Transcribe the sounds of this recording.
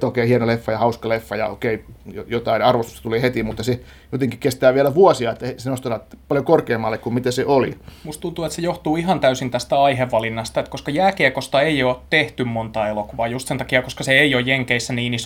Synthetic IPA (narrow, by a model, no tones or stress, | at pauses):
oˑikeːhienolefːɑjɑhɑuskɑlefːɑjɑ̰o̰keijojot̪ɑinɑrʋost̪u̥st̪ɑt̪uleːhet̪imut̪ːɑse | jot̪eŋkikest̪æːʋiælæʋuɔsiɑet̪ːæesenost̪ɑt̪ɑt̪pɑljokorkeːmːɑlːekkummit̪æseʔolḭmust̪unt̪uet̪sejoht̪uːihɑnt̪æysint̪æst̪æɑiheʋːɑlinːɑst̪ɑet̪koskɑjæːkeːkost̪ɑeioːt̪t̪eht̪ymmont̪ɑːelokuʋɑːjust̪sent̪ɑkiɑkoskɑseeiojjeŋkeisːæniːnis